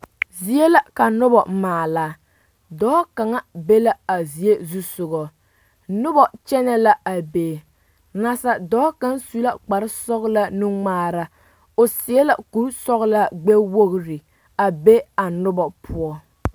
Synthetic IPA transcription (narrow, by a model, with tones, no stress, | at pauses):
zi˦e˦la˦ka˨nʊ˦bɔ̰˨maː˨laː˨ | dɔː˦ka˨ŋa˦be˦la˦a˨zi˨e˦zu˦sʊ˨ɡɔ˨ | nʊ˦bɔ˨t͡ʃɛ˦nɛ˦la˦a˨beː˨ | na˨sa˨dɔː˦ka˦nsu˦la˦k͡pa˨ɾɪ˦sɔ˦ɣla˦nɨ˦ŋ͡maː˦ɾa˦ | o˨sɪ˨ɛ˦la˨ku˦sɔ˦ɣla˦ɡ͡be˦wo˦ɣɾɪ˨ | a˨be˦a˨nʊ˦bɔ˨pʰʊ˦ɔ˦